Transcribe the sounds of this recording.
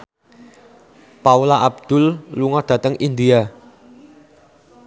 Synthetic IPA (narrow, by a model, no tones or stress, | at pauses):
paulaʔab̚d̪̥ʊ̤lːuŋɔd̪̥ä̤t̪əŋind̪ia